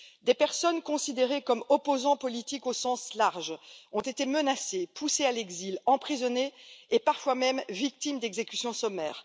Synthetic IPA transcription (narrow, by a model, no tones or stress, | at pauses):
d̪epɛʁsɔnkɔ̃sid̪eʁekɔmɔpozɑ̃pɔlit̪ikosɑ̃slaʁʒɔ̃t̪et̪emənasepusealɛɡzilɑ̃pχizɔneːpaʁfwamɛmvik̚t̪imd̪ɛɡzekʲysjɔ̃sɔmɛːʁ